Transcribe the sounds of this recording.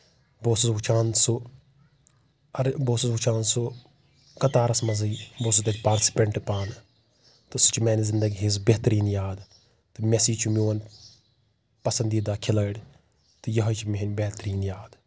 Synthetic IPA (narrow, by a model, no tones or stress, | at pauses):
boːsusʋut͡ʃʰaːnsu | ɐɾboːsusʋut͡ʃʰaːnsu | kɐt̪aːɾɐsmɐziːbos̬ut̪et̪ʲpaːɾʈsi̥pʲɐɳʈɨpaːn | t̪ɨsu̥t͡ʃʰimeːnizind̪ɐɡiɦizbʲeɦt̪ɐɾiːnjaːd̪ | t̪ɨmʲesiːt͡ʃʰumioːn | pɐsɐnd̪iːd̪aːkʰilɐːɽʲ | t̪ɨjɐɦɐt͡ʃʰimiɦɐnʲbʲet̪ɐɾiːnjaːd̪